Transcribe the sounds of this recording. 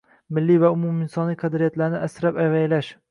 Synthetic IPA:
mɪlːijvaʊmʊmɪnsɒnlijqʰɑd̪ɾɪjat̪laɾnɪʔasɪɾapajvajlaʃ

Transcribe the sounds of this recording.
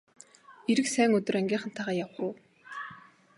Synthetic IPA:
eɾɘ̆ksæːŋɵt̪ɵ̆ræŋɡʲiːχə̆nt̪ʰaʁaːjawχʊː

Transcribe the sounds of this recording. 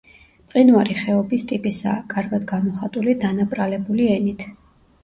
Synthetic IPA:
pʼqʼinuaɾiχɛɔbist̪ʼipʼisa̰ːkʼaɾɡad̪ɡamɔχat̪ʼulid̪anapʼɾalɛbuliɛnit̪ʰ

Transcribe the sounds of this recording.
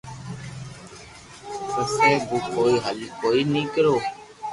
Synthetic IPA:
poseːbuːkʰoːiːɦəlikʰoːiːnĩːkəɾoː

